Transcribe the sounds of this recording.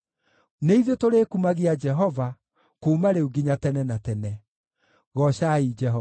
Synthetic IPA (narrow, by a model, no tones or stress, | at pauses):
neiðetoɾeːkumaɣiad͡ʒɛɦɔva | kuːmaɾeuɡiɲatɛnɛnatɛnɛ | ɣɔɕaid͡ʒɛɦɔ